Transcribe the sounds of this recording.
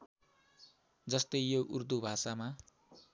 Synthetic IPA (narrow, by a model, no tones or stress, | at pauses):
d͡zʌst̪ʌjjoʔurd̪ubʱasama